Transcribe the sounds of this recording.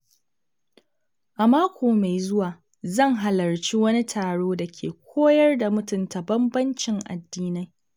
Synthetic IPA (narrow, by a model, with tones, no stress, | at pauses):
ʔa˨maː˦kʷoː˨ma˨jzʊ˦waː˨ | zɐ˦˨ŋɦa˨lɐ˨rt͡ʃi˦wɐ˦ni˦tʰaː˨ɽoː˦da˨kʲʰḛː˨kʷʰoː˦jɐ˦rda˨mʊ˦tʊ˨nta˨bɐ˦mbɐ˦nt͡ʃɪ˨ŋʔa̰˨dːiː˦na˦j